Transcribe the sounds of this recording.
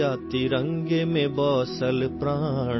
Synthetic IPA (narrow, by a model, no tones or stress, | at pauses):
aːt̪iɾɐ̃ŋɡemẽbɔːsəlpɾaː